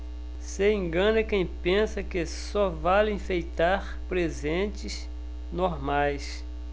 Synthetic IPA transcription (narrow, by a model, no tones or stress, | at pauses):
seẽŋɡɐ̃nɐkẽj̃pẽsɐkɪsɔvalĩfejt̪aɾ | pɾezẽnt͡ʃɪs | noɾmajs